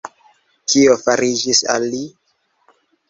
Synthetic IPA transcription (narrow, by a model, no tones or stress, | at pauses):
kʰiofaɾid͡ʒisa̰lːi